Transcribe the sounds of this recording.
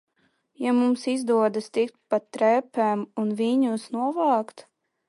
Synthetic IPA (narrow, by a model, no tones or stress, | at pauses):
jamumsizd̪uɔd̪ast̪ik̚t̪̚pat̪ːɾɛpʲɛmunvʲiːɲusnuɔvɑːkt̪